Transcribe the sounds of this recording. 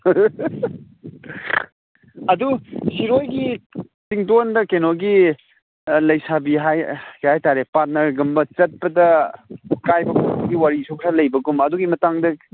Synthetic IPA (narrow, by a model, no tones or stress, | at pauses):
ɐdusiɾojɡi | tiŋtondɐkenoɡi | lɐjsabiɦajɡihajtaɾepaɾt̚nɐɾɡɐmbɐt͡ʃɐt̚pɐdɐ | kajbɐkʰubɐɡiwaɾisoksʰalɐjbɐɡumɐduɡimɐtaŋdɐ